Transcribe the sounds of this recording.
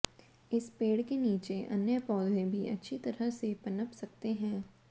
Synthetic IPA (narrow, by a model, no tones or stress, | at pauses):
ɪspeːɽkeniːt͡ʃeʔə̰njəpɔːd̪ẽbʱiʔə̰tːʃʰit̪ɐɾəsepənəpsɐk̚t̪eɦɛ̃ː